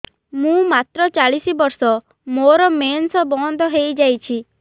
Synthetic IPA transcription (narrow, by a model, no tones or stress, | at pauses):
mũmat̪ɾɔt͡ʃaɭisibɔɾsɔ | moɾɔmensɔbɔnd̪ʱɔɦejd͡ʒajt͡ʃʰi